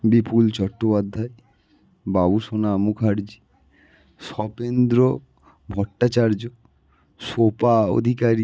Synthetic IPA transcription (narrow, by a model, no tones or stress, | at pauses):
bipult͡ɕɔʈːopad̪ʱːae | babuʃonamukʰaɾd͡ʑi | ʃɔpend̪ɾo | bʱɔʈːat͡ɕaɾd͡ʑo | ʃopao̰d̪ʱikaɾi